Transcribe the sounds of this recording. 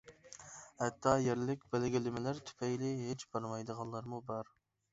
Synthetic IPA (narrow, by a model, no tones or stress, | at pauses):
hɛt̪ʰːɑjeɾlɪkʲbælɪɡʲɪlɪmɪlæɾt̪ʰy̥pʰɛjlɪɦet͡ʃb̥ɑɾmɑjd̪əʁɑnlˠɑɾmubɑɾ